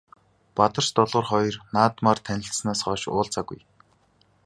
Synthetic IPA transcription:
pat̪ə̆r̥t͡ɕt̪ɔɮʁə̆ːrχɔj̆rnaːt̪maːrt̪ʰænʲɪ̆ɬsnaːsχɔːʃʊ̰ːɮt͡sʰaɡṵj

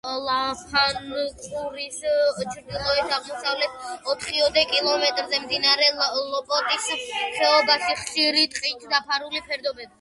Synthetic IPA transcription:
lˠapʰankʼuɾist͡ʃʰɾd̪ilˠɔɛsʰaʁmɔsavlɛt̪ʰɔt̪ʰχiɔd̪ɛkʼilˠɔmɛt̪ʼɾzɛmd̪inaɾɛlɔpʼɔt̪ʼisχɛɔbaʃiχʃiɾit̪ʼqʼit̪ʰd̪apʰaɾulipʰɛɾd̪ɔbɛbi

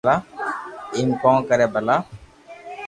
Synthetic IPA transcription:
aː | iːmkɔ̃ːkəɾeːbəlaː

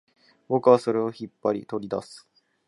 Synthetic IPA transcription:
bo̞kɯ̟βaso̞ɾe̞oçipːaɾʲḭt̪o̞ɾʲid̪a̰sɨ̥

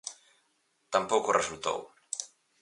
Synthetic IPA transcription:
t̪ampokoresult̪o̰w

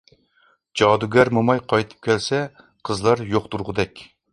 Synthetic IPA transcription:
d͡ʒɑːd̪uɡʲɛɾmɨmɑjqʰɑjt̪ʰɨ̥p̚kʲʰɛlsɛ | qʰəzlˠɑɾjoχt̪uɾʁʊd̪ɛkʲ

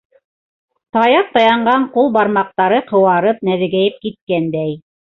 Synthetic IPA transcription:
t̪ɑjɑp̚t̪ɑjɑɴɢɑɴqulˠbɑɾmɑq̚t̪ɑɾɤqʰɤ̆wɑɾɤp̚næðɘ̆ɡæjɘp̚kit̪̚kænd̪æj

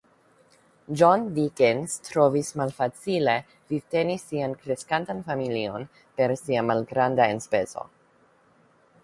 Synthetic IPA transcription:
d͡ʒonvikenstɾo̞vismalfat͡sile̞ | vite̞nisiankɾe̞skantanfamilio̞n | pe̞ɾsiamalɡɾandaenspe̞zo̞̰

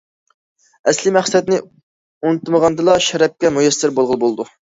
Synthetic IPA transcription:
ɛslɪmæχsɛt̪nɪ | unɨt̪məʁɑnd̪ɨlˠɑʃɛɾɛp̚kʲɛmujɛsːɪɾbolˠʁəlˠbolˠd̪u

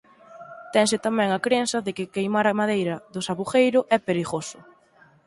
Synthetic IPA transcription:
t̪ɛŋsɪt̪amɛ̃ŋakɾensɐðɪkɪkejmaɾɐmaðejɾɐðʊsaβuχejɾʊʔɛpeɾiɣosʊ

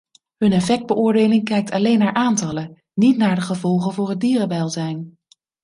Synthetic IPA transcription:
ɦɵnɛfɛk̚d̚bəʔʊːɹdeːlɪŋkɛjk̚tʰɑlejnːaːɹʔaːntɑlə | nitnaːɹdəχəvɔlˠχənvʊːɹɦədiːrəbɛlˠzɛjn

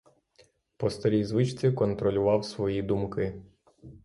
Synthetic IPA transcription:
pɔst̪ɔɾʲijzʋɪt͡ʃt͡sʲikɔnt̪ɾɔlʲʊʋɑwsʋɔjid̪umkɪ

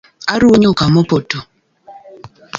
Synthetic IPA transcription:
aɾuɲokamopoto

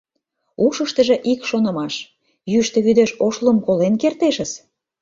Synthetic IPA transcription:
uʃəʃt̪ə̆ʒĕʔikʃonə̆mɑʃ | jyʃt̪ĕβyd̪eʃoʃləmkolenkert̪eʃə̆s

